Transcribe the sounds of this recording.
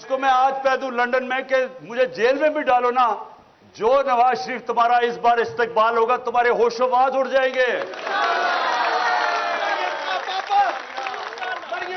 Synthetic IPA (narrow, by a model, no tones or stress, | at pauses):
ɪskomɛ̃aːd͡ʒpɛːd̪ũːlɐ̃ɳɖənmẽkemʊd͡ʒʱed͡ʒeːlmẽbʱiɖaːlona | d͡ʒoːnɐʋaːzʃəɾiːft̪ʊmaːɾaɪsbaːɾɪst̪ek̚baːlɦoːɡat̪ʊmaːɾeɦoːʃə̃ʋaãd̪ʰʊɽd͡ʒaːẽːŋɡeː